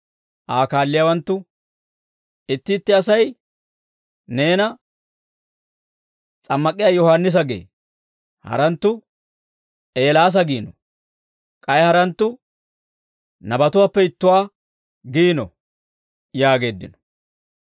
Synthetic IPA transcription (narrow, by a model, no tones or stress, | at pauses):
ʔaːkaːlːɪjaːwɐnt̪ːʊ | ɪt̪ːɪːt̪ːɪɐsɐj | ne̞ːnɐ | t͡sʼɐmːɐkʼːɪjaːjɔhaːnːɪs̬ɐɡḛː | hɐ̰ɾɐnt̪ːʊ | ʔe̞ːlaːs̬ɐɡiːnɔ | kʼɐjhɐɾɐnt̪ːʊ | nɐbɐt̪ʊwaːpːɛɪt̪ːʊwaː | ɡiːnɔ̰ | jaːɡe̞ːd̪ːɪ̰nɔ̥